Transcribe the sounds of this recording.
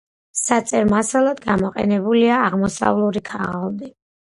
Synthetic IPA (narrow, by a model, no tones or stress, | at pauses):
sat̪sʼɛɾmasalˠad̪ɡamɔqʼɛ̰nɛbuliaːʁmɔsa̰vlˠuɾikʰaʁalˠd̪i